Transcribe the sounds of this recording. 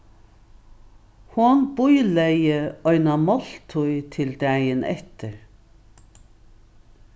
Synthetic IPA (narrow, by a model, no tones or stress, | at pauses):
hʊnbʊjlɛjəɔʏnamɔl̥t̪ʰʊjt̪ʰɪld̪æːjənɛ̰ht̪əɹ